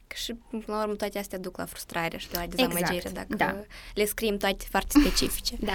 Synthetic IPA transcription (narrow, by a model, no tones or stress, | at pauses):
ʃiɨpɨnlaurmət̪oat̪east̪ejad̪ukla̰fɾu̥st̪ɾaɾeaʃid̪elad̪eamməd͡ʒeɾḛd̪a̰kdəale̞skɾiemt̪oat̪e̥foart̪e̥spe̞t͡ʃifi̥t͡ʃed̪a